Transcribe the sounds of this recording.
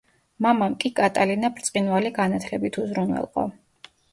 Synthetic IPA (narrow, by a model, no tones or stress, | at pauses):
mamamkʼikʼat̪ʼalinapʰɾt̪sʼqʼinvaliɡanat̪ʰlɛbit̪ʰuzɾunwɛ̰lˠqʼɔ̰